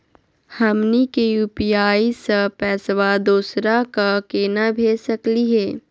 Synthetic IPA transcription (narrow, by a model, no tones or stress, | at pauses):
hɐmnikejuːpiaːisəpɛːswad̪oːsɾakakeːnabʱeːsəkliɦɛː